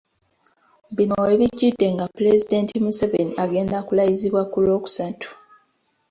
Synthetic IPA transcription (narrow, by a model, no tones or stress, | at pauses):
βinoeβiɟːidːe̞ŋɡapule̞zide̞ːntimuseve̞niʔaɡe̞ːndakulajiziβwakulo̞ːku̥satʰu̥